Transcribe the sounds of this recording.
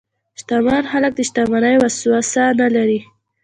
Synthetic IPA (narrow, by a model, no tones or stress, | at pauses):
ʃt̪amɑnxalak̚d̪əʃt̪ɑmɑnajwaswasanalaɾi